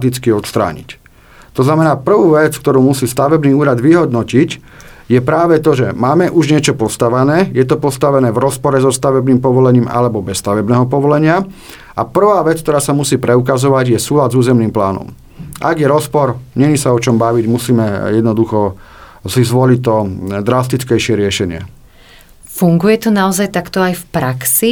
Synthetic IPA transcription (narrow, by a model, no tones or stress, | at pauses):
t̪it͡skiɔt̪st̪ɾa̰ːɲḭc | t̪ɔznamɛnaːpr̩ʋuːʋɛt͡sk̚t̪ɔɾuːmusiːst̪aʋɛbniːuːɾad̪ʋiɦɔd̪nɔcic | jɛpɾaːʋɛt̪ɔʒɛmaːmɛʔuʒɲɪɛt͡ʃɔpɔst̪aʋɛnɛːjɛt̪ɔpɔst̪aʋɛnɛːvɾɔspɔɾɛzɔst̪aʋɛbniːmpɔʋɔlɛɲiːma̰lɛbɔbɛst̪aʋɛbnɛːɦɔpɔʋɔlɛɲɪa | apr̩ʋaːʋɛt͡skt̪ɔɾaːsamusiːpɾɛuk̬azɔʋaɟjɛsuːlad̪zuːzɛmniːmplaːnɔ̰m | ʔa̰ɡjɛɾɔspɔɾɲɛɲisaɔt͡ʃɔmbaʋiɟmusiːmɛjɛd̪nɔd̪uxɔ | sizʋɔlict̪ɔd̪ɾast̪it͡skɛjʃɪɛɾɪɛʃɛɲɪɛ̰ | fuŋɡujɛt̪ɔnaɔzajt̪akt̪ɔajfpɾaksi